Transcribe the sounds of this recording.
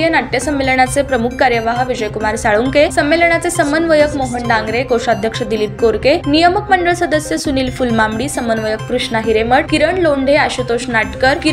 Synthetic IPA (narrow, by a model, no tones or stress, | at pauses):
jənaʈ̪jəsəmːelɳat͡sepɾəmukʰkaɾjəʋaɦʋid͡ʑəjkumaɾsaɭuŋkesəmːeləɳat͡sesəmənʋəjəkmoɦəɳɖãŋɡɾekoʂad̪ʱjəkʂəd̪iliːp̚koɾkenijəməkməɳɖəɭsəd̪əsjəsuniːlfulmamɽiːsəmənʋəjək̚kɾuʂnaɦiɾeməɽkiɾəɳloɳɖʱeaɕut̪oɕnaʈkəɾki